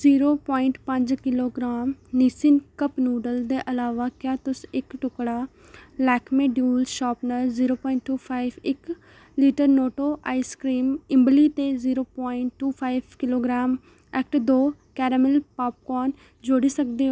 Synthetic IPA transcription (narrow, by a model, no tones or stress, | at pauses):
ziːɾoːpɔːɪɳʈpəɲd͡ʒkɪloːɡɾaːmniːsɪnkəpnuːɖəld̪eːʔəlaːʋaːkjaːt̪ʊsɪkʈʊkɽaː | lɛːkʰmeːɖjuːlʃaːpnəɾziːɾoːpɔːɪɳʈːuːpʰaːɪʋɪk | liːʈəɾnoːʈoːʔaːiskɾiːmɪmbliːt̪eːziːɾoːpɔːɪɳʈːuːpʰaːiʋkɪloːɡɾaːm | ɛːk̚ʈd̪oːkɛːɾəmɪlpaːp̚kɔːn | d͡ʒoːɽiːsəkd̪eːɦ